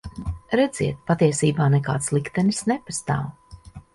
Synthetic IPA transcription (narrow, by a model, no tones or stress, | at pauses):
ɾɛd̪z̥iɛt̪̚pat̪iɛsiːbaːnɛka̰ːt̪slˠikt̪ɛnisnɛpast̪a̰ːw